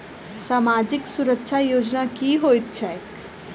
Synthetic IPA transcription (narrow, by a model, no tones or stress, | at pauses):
saːmaːd͡ʒɪksʊɾəkʃʰajoːd͡ʒnakiɦoɪt̪ːʃʰajək